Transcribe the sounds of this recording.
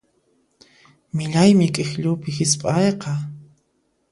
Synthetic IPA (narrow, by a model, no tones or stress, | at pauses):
mɪʎajmɪkʼɪxʎʊpɪhɪspʼɑjqɑ